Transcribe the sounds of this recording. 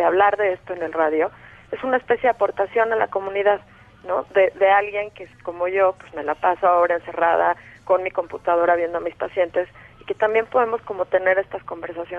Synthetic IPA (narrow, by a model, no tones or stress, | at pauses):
eaβlaɾðe̞e̞st̪o̞ene̞lraðjo̞e̞sunaespe̞sjeðapo̞ɾt̪asjo̞nala̰ko̞mũniðað | no̞ðe̞ðe̞alɣje̞ŋkeko̞mo̞ʝo̞pwe̞zme̞lapasoaoβɾaense̞raða̰ko̞nmiko̞mput̪að̞o̞ɾaβje̞nd̪o̞amispasje̞nt̪e̞sike̞t̪ambje̞mpo̞ð̞e̞mo̞sko̞mo̞t̪e̞ne̞ɾe̞st̪asko̞mbe̞ɾsasjo